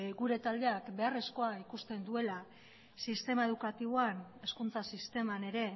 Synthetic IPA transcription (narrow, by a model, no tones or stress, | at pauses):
ɡuɾe̞t̪ald̪e̞akbe̞are̞sko̞aikust̪e̞nd̪ue̞la | sist̪e̞mae̞ð̞ukat̪iβoane̞skunt͡sasist̪e̞mane̞ɾe̞